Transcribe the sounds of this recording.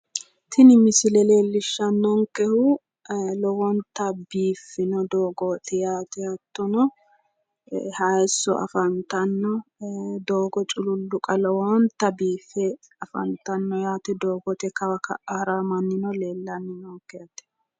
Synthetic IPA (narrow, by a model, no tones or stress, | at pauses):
t̪ʰɪnɪmɪsɪlɛle̞ːlːɪʃːɐnːɔŋkɛhʊ | lɔwɔnt̪ːɐbiːfːɪnɔd̪oːɡot̪ɛjaːt̪ɛjɐt̪ːɔnɔ | hɐjɛsːɔ̰ʔɐ̰fɐnt̪ɐnːɔd̪oːɡɔt͡ʃʼʊlʊlːʊkʼɐlɔwɔnt̪ːɐbiːfɛ | ɐfɐ̰nt̪ɐnːɔjaːt̪ɛd̪oːɡɔt̪ɛkɐwɐkɐ̰ʔaːɾamɐnːɪnɔleːlːɐnːɪnɔŋkːɛjɐt̪ːɛ̥